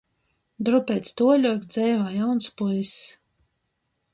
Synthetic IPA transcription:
d̪ɾupʲɛjt̪ʲt̪uɔlʲɔkʲd̪zɛjvaːjawnspujs

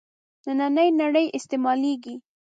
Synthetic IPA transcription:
nənanəjnaɽəjʔɪst̪emɑleɡi

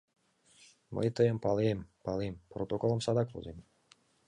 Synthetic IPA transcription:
mə̰jt̪əjɛmpalˠiempalˠimpɾot̪okolˠɔmsad̪aklˠṵzim

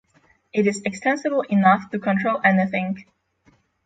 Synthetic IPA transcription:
ʔɪɾɨzɨkstɛ̃nsɨbl̩ˠɪnʌftɨkʰə̃ntʰɹ̥oʊlˠɛ̃niθɪ̃ŋ

